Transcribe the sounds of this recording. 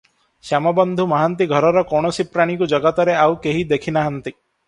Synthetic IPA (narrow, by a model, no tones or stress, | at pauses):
sjamɔbɔnd̪ʱumaɦant̪iɡʱɔɾɔɾɔkɔɽ̃ɔsipɾaɽ̃ikud͡ʒɔɡɔt̪ɔɾeawkeɦid̪ekʰinaɦant̪i